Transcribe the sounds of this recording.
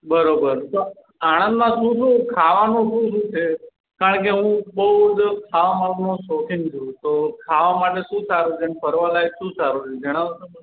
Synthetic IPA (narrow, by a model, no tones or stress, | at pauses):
bəɾobəɾt̪o | aɽ̃ə̃nd̪mãʃũʃʰũkʰaʋanũʃũʃũt͡ʃʰe | kaɾəɳkeɦũbəɦud͡ʒkʰaʋamalɡnõsokʰint͡ʃʰũt̪okʰaʋamaʈeʃũsaɾũd͡ʒʰenpəɾʋalajʃũsaɾut͡ʃʰed͡ʒəɽ̃a